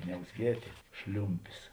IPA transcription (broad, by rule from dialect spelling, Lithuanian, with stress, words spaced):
nʲɛʊzʲˈɡʲiɛtʲeː ˈʃʲlʲʊmʲpʲɪs